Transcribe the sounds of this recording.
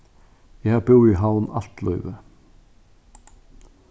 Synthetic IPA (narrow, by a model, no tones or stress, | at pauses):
jæhɑːbuːiːɦaʊnɑ̰lt̪lɔʏʋə